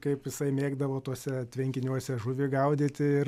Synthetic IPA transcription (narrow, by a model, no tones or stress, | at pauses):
kɐɪpjɪsɐɪmʲeːɡd̪ɐʋoːt̪uɔsʲɛt̪ʲʋʲɛŋʲkʲɪnʲuɔsʲɛʒʊʋʲɪɡɐʊd̪ʲɪt̪ʲɪɪr